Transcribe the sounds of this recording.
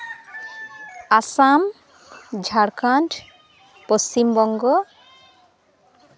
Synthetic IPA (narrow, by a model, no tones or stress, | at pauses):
asam | d͡ʒʱaɽkantʰ | post͡ʃimbɔŋɡɔ